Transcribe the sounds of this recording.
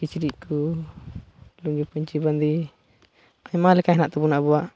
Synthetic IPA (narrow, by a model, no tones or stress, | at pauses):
kit͡ʃiɾiʔku | luŋɡipuɲt͡ʃiband̪i | aimalɛkaɦɛnaʔt̪ubunaʔbuaʔ